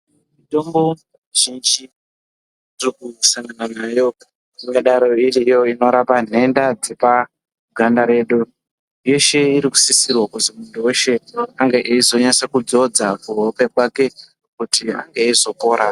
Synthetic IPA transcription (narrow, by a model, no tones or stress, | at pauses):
mito̞mbo̞ | ʒind͡ʒi | rokusaŋɡananaːjo̞ | iŋɡaɗaɾo̞iɾijo̞ino̞ɾapane̞ndad͡zipa | ɡʱandaɾe̞ːɗu | jo̞ʃe̞iɾiku̥sisirwakutimunduweʃe̞aŋɡeʔeizo̞ɲasekud͡zo̞d͡zakuɦopekwake̞ | kutia̰ŋɡeizo̞ko̞ːɾa